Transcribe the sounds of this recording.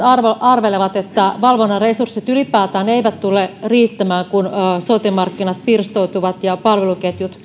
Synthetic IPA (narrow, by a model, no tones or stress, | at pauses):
ɑrʋoʔɑrʋeleʋɑt̪et̪ːæʋɑlʋonːɑresurset̪ylipæːt̪æːneeiʋæt̪t̪ulːeriːt̪ːæmæːŋkunːsot̪imːɑrkːinɑt̪pirst̪oit̪uʋɑt̪jɑpɑlʋeluket̪jut̪